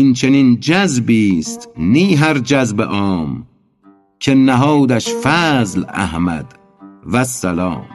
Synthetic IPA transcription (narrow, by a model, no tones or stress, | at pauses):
int͡ʃʰenind͡ʒæzbiːst̪niːɦæɾd͡ʒæzbḛʔɒːm | kʰenæɦɒːd̪æʃfæːzlæ̰hmæ̰d̪ | væsːælɒ̰ːm